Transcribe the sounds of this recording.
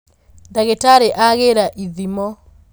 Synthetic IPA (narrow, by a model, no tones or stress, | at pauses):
ndaɣetaɾeʔaɣeɾaʔiðimɔ